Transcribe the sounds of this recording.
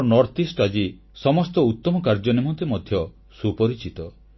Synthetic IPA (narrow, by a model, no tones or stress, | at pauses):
nɔɾt̪isʈad͡ʒi | sɔmɔst̪ɔut̪ːɔmɔkaɾd͡ʒɔnimɔnt̪emɔd̪ʱjɔ | supɔɾit͡ʃit̪ɔ